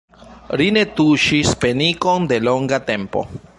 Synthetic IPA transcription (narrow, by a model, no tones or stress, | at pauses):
line̞t̪uʃispe̞niko̞nde̞lo̞ŋɡate̞mpo̞̰